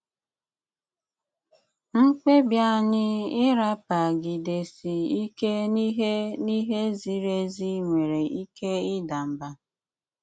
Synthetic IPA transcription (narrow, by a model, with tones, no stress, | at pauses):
ŋ̩˦k͡pʷe˦bja˦ɲɪ˦ɪ˦ɾa˦pa˨ɡi˨de˨si˨i˦ke˦ni˦ɦe˦ni˦ɦe˦zi˦ɾe˦zi˦ŋʷe˨ɾe˨i˦ke˦ɪ˦da˨m̩˨ba˨